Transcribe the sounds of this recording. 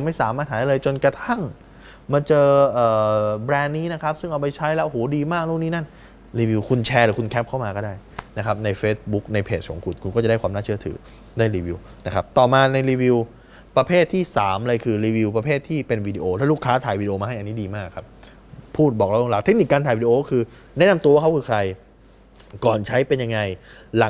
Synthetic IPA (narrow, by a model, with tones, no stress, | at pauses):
ma˥˩jsaː˨˦maː˥˩t̪̚haː˨˦a˥˩lɤː˧jt͡ɕo˧nkɾa˧t̪ʰa˥˩ŋ | maː˧t͡ɕɤː˧ʔɤː˨˩bɾɛː˧nːiː˦˥na˦˥kʰa˦˥p̚sɯ˥˩ŋʔa˧wpa˧jt͡ɕʰa˦˥jlɛ˦˥ʔo˧hoː˩˦diː˧maː˥˩k̚luː˥˩k̚niː˦˥na˥˩n | ɾiː˧wi˧wkʰu˧nt͡ɕʰɛː˧ɾɯː˨˩˦kʰu˧nkʰɛː˦˥p̚ʰa˥˩wmaː˧kɔː˥˩daː˥˩j | na˦˥kʰa˦˥p̚na˧jfeː˦˥t̪̚bu˦˥k̚na˧jpʰeː˨˩kʰɔ̰ː˩˦ŋkʰu˨˩t̪̚kʰu˧nkɔ˥˩t͡ɕa˨˩da˥˩kwaː˧naː˥˩t͡ɕʰə˩t̪ʰɯ̰ː˩˦ | daː˥˩jɾiː˧wi˧w | na˦˥kʰa˦˥p̚t̪ɔː˨˩maː˧na˧jɾiː˧wi˧w | pɾa˧pʰeː˥˩t̪ʰːiː˥˩saː˩˦mlɤ˧jkʰɯː˧ɾiː˧wi˧wp̬ɾa˧pʰeː˥˩t̪ʰːiː˥˩pe˧nwiː˧diː˧ʔoː˧t̪ʰaː˥˩luː˥˩kʰaː˦˥t̪ʰaː˨˩jwiː˧di˧oː˧mː˧ɦa˥˩jʔa˧nːiː˦˥diː˧maː˥˩kʰːa˦˥p̚ | pʰːuː˥˩t̪̚bɔː˨˩k̚lɛ˦˥˩lo˧ŋlaː˨˩t̪ʰe˦˥k̚ni˨˩kːaː˧nt̪ʰaː˨˩wiː˧di˧oː˧˥kʰɯː˧ | nɛ˦˥na˧mt̪u˧wa˥˩kʰa˦˥kʰɯː˧kʰɾa˧j | kɔː˨˩nt͡ɕʰa˦˥jpe˧nja˧ŋːa˧jla˨˩˦